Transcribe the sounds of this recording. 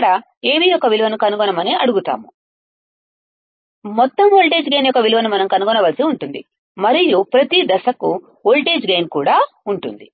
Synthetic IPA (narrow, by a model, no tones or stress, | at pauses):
ɽɐ | eːʋijɔkːɐʋiluʋɐnukɐnuɡɔnɐmɐneːʔɐɽuɡut̪a̰ːmu | mɔt̪ːɐmoːlʈe̞ːd͡ʒɡe̞ːnjɔkːɐʋiluʋɐnumɐnɐmkɐnuɡɔnɐʋɐːlɐsiuɳʈund̪ḭ | mɐɾijupɾɐt̪id̪ɐsɐku | oːlʈe̞ːd͡ʒɡeːnkuːɽaː | uɳʈṵnd̪i